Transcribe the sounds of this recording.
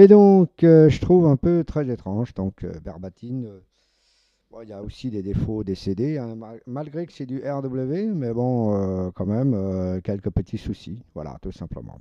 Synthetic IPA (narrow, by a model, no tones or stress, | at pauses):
ed̪ɔ̃køʒət̪χuvɛ̃pøt̪χɛzet̪χɑ̃ʒd̪ɔ̃kʰø̰bɛ̰ʁbat̪ʰinø | wa̰iljaosid̪ed̪efod̪esed̪eɛ̃mamalɡʁekə̥sɛd̪yʔɛʁd̪ubləvemɛbɔ̃økɑ̃mɛmøkʲɛlkəpət̪ʰisusivwa̰la̰t̪usɛ̃plə̰mɑ̰̃